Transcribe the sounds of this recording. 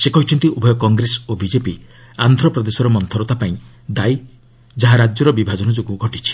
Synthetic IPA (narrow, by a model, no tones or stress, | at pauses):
sekɔɦit͡ʃʰɔnt̪iubʱɔjɔkɔŋɡɾesɔobid͡ʒepi | and̪ʱɾɔpɾɔd̪esɔɾɔmɔnt̪ʰɔɾɔt̪apaĩ | d̪aj | d͡ʒaɦaɾad͡ʒjɔɾɔbibʱad͡ʒɔnɔd͡ʒoɡuɡʱɔʈit͡ʃʰi̥